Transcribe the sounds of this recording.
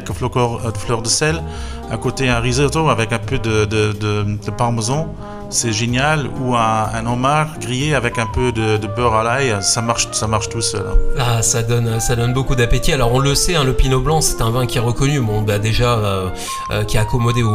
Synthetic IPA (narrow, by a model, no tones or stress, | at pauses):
ɛlkəflɔkɔʁd̪əflœʁd̪əsɛl | a̰kot̪eɛ̃ʁizot̪oavɛkɛ̃pød̪əd̪əd̪əd̪̥əpaʁməzɔ̃ | sɛʒenjaluɛ̃ɛ̃nɔ̃maʁɡʁijeavɛkɛ̃pød̪əd̪əbœʁalajsamaʁʃsamaʁʃt̪usœ̰l̰asad̪ɔnøsad̪ɔnbokud̪apet̪ialɔʁɔ̃ləsɛɛ̃ləpinoblɑ̃sɛ̥t̪ɛ̃vɛ̃kʲiɛʁəkɔnymɔ̃bad̪eʒa | ø̰kʲiɛːkɔmɔd̪e